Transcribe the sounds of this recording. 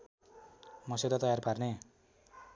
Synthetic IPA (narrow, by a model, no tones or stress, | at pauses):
mʌsed̪at̪ʌjarparne